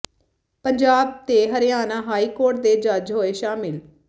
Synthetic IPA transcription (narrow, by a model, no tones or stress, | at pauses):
pəɲd͡ʒaːb̚t̪eːɦəɾɪjaːnãːɦaːiːkoːɾʈ̚d̪eːd͡ʒəd͡ʒɦoːeːʃaːmɪl